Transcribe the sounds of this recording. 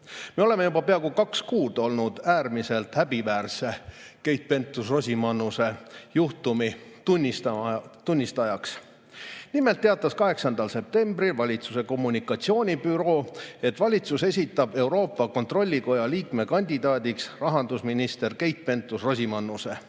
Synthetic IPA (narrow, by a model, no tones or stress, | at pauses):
me̞o̞le̞me̞jubɑpeɑɡukɑkskuːd̪̥o̞lnud̪̥æːrmise̞lt̪hæbivæːrse̞ke̞jt̪̚pe̞nt̪ːˑusro̞sʲimɑnːuse̞juht̪umit̪unʲːist̪ɑt̪unʲːist̪ɑjɑks | nime̞lt̪ːe̞ɑt̪ːˑɑskɑɦe̞ksɑnd̪̥ɑlse̞p̚t̪e̞mbrilvɑlʲit̪suse̞ko̞mːunʲikːˑɑt̪sio̞ːnʲipyɾo̞ːe̞t̪ːˑvɑlʲit̪suse̞s̬ʲit̪ːˑɑb̥e̞uɾo̞ːpˑːɑko̞nt̪ro̞lʲːiko̞jɑliːkme̞kɑnʲd̪id̪ɑːd̪iksrɑɦɑnd̪̥usminist̪e̞rke̞jt̪̚pe̞nt̪ˑːusro̞simɑnːuse̞